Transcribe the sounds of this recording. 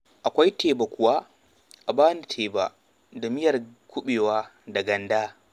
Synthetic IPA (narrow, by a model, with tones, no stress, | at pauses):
ʔa˨kʷa˦jtʰeː˨ba˨kʷʊ˨waː˦ | ʔa˨baː˦ni˨tʰeː˨ba̰˨ | da˨mɪ˦jɐ˨rkʷʊ˦ɓeː˨waː˦ | da˨ɡɐ˨ndaː˦